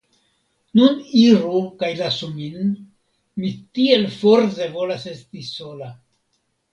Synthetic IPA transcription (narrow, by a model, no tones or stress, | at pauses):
nuniɾukajlasumin | mitie̞lfoɾze̞vo̞lase̞stiso̞la